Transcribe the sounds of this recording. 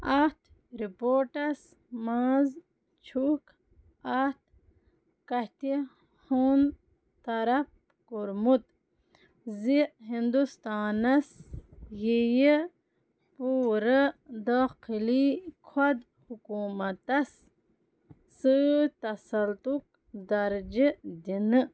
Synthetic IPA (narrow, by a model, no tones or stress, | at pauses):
at̪ | ɾipoːʈɐs | maːz | t͡ʃʰuk | at̪ | kaht̪i | hun | t̪ɐɾɐp̚ | kuɾmut̪ | ziɦind̪ust̪aːnɐsjeje | puːɾəd̪aːqilikʰwad̪ | hukuːmɐt̪ɐs | ɨt̪ɐsɐlt̪uk̚ | d̪ɐɾd͡ʒid̪inɨ